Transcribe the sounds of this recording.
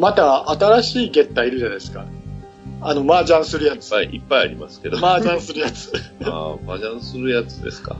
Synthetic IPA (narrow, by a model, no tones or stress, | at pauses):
mat̪aat̪aɾaɕiːɡe̞t̪ːaiɾɯ̟ʑanaesɨ̥ka | ano̞maːd͡ʑãɰ̃sɨɾɯ̟jat͡sɨ̥aiipːaja̰ɾʲimasɨ̥ke̞d̪omaːʑãɰ̃sɨɾɯjat͡sɨ̥a̰maʑãsɨɾɯ̟jat͡sɨd̪e̞̰sɨ̥ka̰